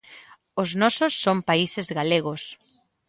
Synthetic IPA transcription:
oznɔsosːompaisezɣaleɣos

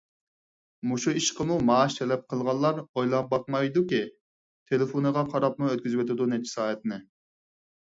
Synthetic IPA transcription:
muʃuiʃqʰəmumɑːʃt̪ʰɛlɛp̚qʰəlˠʁɑlˠːɑɾojlˠɑnbɑq̚mɑjd̪ukʲi | t̪ʰelɪfonɨʁɑqʰɑɾɑpmuøt̪kʲyzɪwet̪ɪd̪unɛt͡ʃʰɪ̥sɑːɦɛt̪̚nɪ

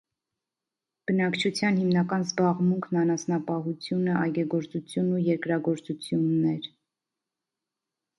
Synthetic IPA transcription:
b̥ənɑkt͡ʃʰut͡sʰjɑnhimnɑkɑnzbɑʁmuŋkʰnɑnɑsnɑpɑɦut͡sʰjunəʔɑjɡɛɡɔɾt͡sut͡sʰjunujɛɾkɾɑɡɔɾt͡sut͡sʰjunːɛɾ

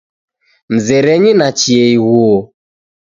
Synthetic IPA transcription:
m̩zɛɾɛɲinat͡ʃiɛiɣuɔ

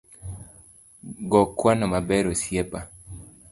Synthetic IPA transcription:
ɡɔkːwanɔmabɛɾosjɛpa

